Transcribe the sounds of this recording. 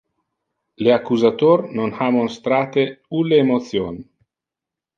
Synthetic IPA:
leakuzat̪oɾnonhamonst̪ɾat̪euleːmot̪sjon

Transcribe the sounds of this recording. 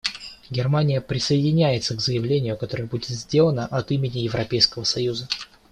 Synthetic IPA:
ɡʲɪrmanʲɪjəpɾʲɪsəɪdʲɪnʲæjɪt̪səɡzəjɪvlʲenʲɪjʊkɐt̪o̞ɾəjəbudʲɪt̪zʲdʲe̞lˠənəʔɐt̪imʲɪnʲɪjɪvɾɐpʲejskəvəsɐjuzə

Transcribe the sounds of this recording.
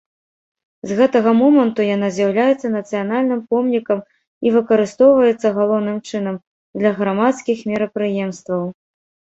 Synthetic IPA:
zɣɛt̪ɐɣɐmɔmɐnt̪ujanazʲjawlʲajɛt̪sːɐnɐt̪sɨjanalʲnɨmpɔmnʲikɐm | ivɨkɐɾɨst̪ɔwvɐjɛt̪sːɐɣalˠɔwnɨmt͡ʂɨn̪ɐm | d̪lʲɐɣɾamat̪skʲixmʲɛɾɐpɾɨjɛmst̪vɐw

